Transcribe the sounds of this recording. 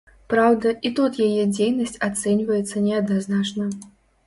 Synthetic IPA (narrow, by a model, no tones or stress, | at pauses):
pɾawd̪ɐʔit̪ut̪jajɛd͡zʲejnɐsʲt͡sʲat̪sɛnʲvɐjɛt̪sːɐnʲɛɐd̪naznat͡ʂnɐ